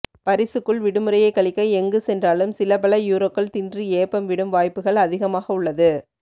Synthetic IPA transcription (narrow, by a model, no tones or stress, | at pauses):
pɐɾɪsɯkːɯɭʋɪɽɯmɯɾɐjɐɪkːɐɭɪkːɐɪɛŋɡɯsɛndraːlɯmsɪlɐpɐɭɐjuːɾoːkːɐɭt̪ɪndrieːpːɐmʋɪɽɯmʋaːjpːɯɣɐɭɐðɪɣɐmaːɣɐʊɭːɐðɯ